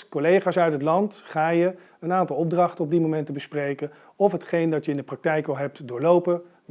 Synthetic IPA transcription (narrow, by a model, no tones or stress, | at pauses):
kolejχaːsœɥtətlɑntχaːjə | ənaːntɑlˠɔb̚drɑχtəɔb̚dimomɛntəbəsprejkən | ɔfɦətχejndɑtjəɪndəprɑk̚tɛjkɑlˠɦɛp̚tdʊːɹlowpə